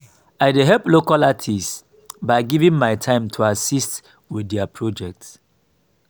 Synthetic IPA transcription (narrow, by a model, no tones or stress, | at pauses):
aɪdeɦɛlplokalatʰis | baɪɡivĩŋmaɪtʰãɪ̃mtʰuasist | widapʰɹɔd͡ʒɛk̚t